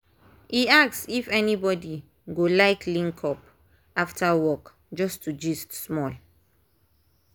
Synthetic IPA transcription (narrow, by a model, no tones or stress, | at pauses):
iak̚sifɛnibɔdi | ɡolaɪkʰlĩŋkʰɔp̚ | aftʰawɔk | d͡ʒɔstʰud͡ʒistsmɔl